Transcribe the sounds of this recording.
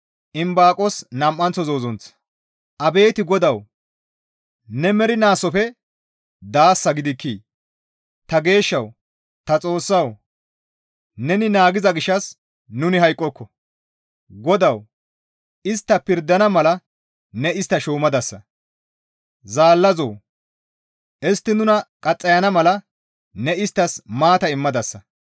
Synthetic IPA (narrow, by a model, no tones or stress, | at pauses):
ʔɪmbaːkʼɔsnɐmʔːɐnt͡sːɔzoːzɔnt͡s | ʔɐbe̞ːt̪ɪɡɔd̪ɐw | nɛmɛɾɪnaːsɔfɛ | d̪aːsːɐɡɪd̪ɪkːiː | t̪ɐɡe̞ːʃːɐw | t̪ɐt͡sʼo̞ːsːɐw | nɛnɪnaːɡɪzɐɡɪʃːɐs | nʊnɪɦɐjkʼːɔkʰːɔ | ɡɔd̪ɐw | ɪst̪ːɐpɪɾd̪ɐnɐmɐlɐ | nɛɪst̪ːɐʃuːmɐd̪ɐsːɐ | zaːlːɐzoː | ʔɪst̪ːɪnʊnɐkʼɐt͡sʼːɐjɐnɐmɐlɐ | nɛɪst̪ːɐsmaːt̪ɐɪmːɐd̪ɐsːɐ